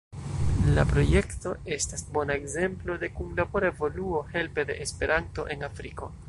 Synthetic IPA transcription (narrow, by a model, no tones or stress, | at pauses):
lapɾo̞je̞kto̞e̞stasbo̞naeɡze̞mplo̞de̞kunlabo̞ɾaevo̞luo̞he̞lpe̞de̞ʔespe̞ɾʔanto̞̰ʔe̞nafɾiko̞